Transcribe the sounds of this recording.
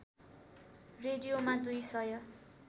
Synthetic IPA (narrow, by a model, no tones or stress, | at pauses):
reɖijomad̪ujsʌjʌ